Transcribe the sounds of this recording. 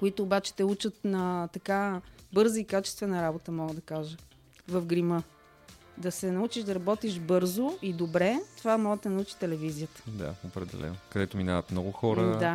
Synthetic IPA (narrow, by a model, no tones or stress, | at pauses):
koit̪oːbat͡ʃɛ̥t̪ɛut͡ʃət̪nɐt̪ɐkabɤɾzəikat͡ʃɛ̥st̪vɛnəɾabot̪əmɔɡəd̪ɐkaʒə | vəfɡɾimɤ | d̪ɐsɛnɐut͡ʃiʒd̪ɐɾɐbɔt̪iʃbɤɾzoʊid̪obɾɛt̪ovamɔɡəɐnɐut͡ʃi̥t̪ɛlɛvizijət̪ə̥d̪a̰opɾɛd̪ɛ̰lɛ̰nokɐd̪ɛt̪omina̰vət̪mnɔɡʊxɔɾəd̪a